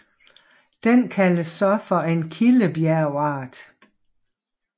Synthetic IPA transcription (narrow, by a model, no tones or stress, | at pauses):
d̥enkʰæləsːɒ̽fɒe̝nkʰiləb̥jæɐʊɑ̈ːd̥